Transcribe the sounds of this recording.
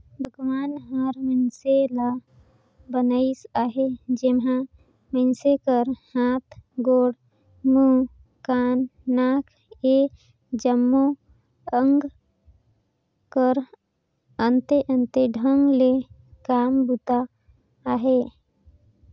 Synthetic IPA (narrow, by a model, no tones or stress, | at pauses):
bʱəɡʋaːnɦaɾmənsela | bənəisaːɦed͡ʒemɦã | mənsekəɾhaːt̪ʰɡoːɽ | mu | kaːnːaːkʰ | e | d͡ʒəmːo | əŋɡ | kəɾ | ənt̪eʔənt̪eɖʱəŋɡle | kaːmbut̪aː | ɦe